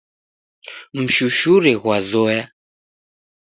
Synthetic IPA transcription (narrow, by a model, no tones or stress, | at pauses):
m̩ʃuʃuɾɛɣwazɔja